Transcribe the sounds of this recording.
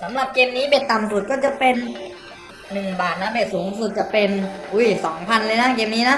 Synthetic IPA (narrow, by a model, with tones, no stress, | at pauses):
sa˩˦mɾa˨˩p̚keː˧mniː˦˥be˨˩t̪ːa˨˩msu˨˩t̪̚kɔː˥˩t͡ɕa˨˩pe˧nː | ɯ˨˩ŋbaː˨˩t̪̚na˦˥beː˨˩suː˩˦˥ŋsu˨˩t̪̚t͡ɕa˨˩pe˧nʔu˦˥˩jsɔː˩˦ŋpʰa˧nlɤː˧jna˦˥keː˧mniː˦˥na˦˥ʔ